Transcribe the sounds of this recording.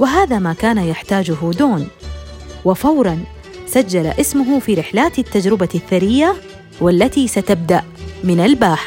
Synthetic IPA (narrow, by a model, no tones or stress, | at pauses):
wɪɦaːðamaːkaːnajaħt̪aːd͡ʒʊɦʊd̪oːn | wɪfɑwɾˤɑn | sad͡ʒːala̰ʔɪsmʊɦʊfiːɾɪħlaːt̪ɪt̪ːad͡ʒɾɪbaθːaɾɪjːa | walːat̪isat̪ab̚d̪aʔmɪnalbaːħ